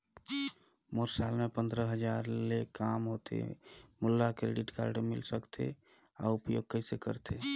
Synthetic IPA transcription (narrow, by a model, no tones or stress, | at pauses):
moɾsalmepə̃nd̪ɾəɦəd͡ʒaɾlekamɦot̪ḛmulːakɾḛɖiʈka̰ɾɖəmḭlsəkt̪ʰḛ | a̰upjo̰ɡ̚kəɦisekə̰ɾt̪ʰe